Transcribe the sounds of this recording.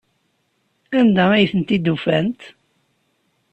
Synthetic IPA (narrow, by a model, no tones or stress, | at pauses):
ænd̪ææjθənt̪id̪ufænt̪